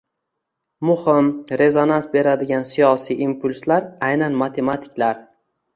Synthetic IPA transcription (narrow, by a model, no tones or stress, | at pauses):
mʊhɪmɾe̞zonansbe̞ɾad̪ɪɡʲansijɒsijʔimpʰʊlʲslaɾajnanmat̪ʰe̞mat̪ʰɪ̥kʲlaɾ